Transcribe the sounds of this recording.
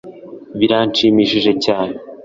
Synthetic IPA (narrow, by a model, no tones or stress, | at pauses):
βiɾaːnt͡ʃiːmiːʃiʒe̞caːne